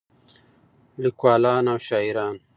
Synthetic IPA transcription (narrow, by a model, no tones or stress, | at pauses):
likwaːlaːnawʃaːiɾɑːn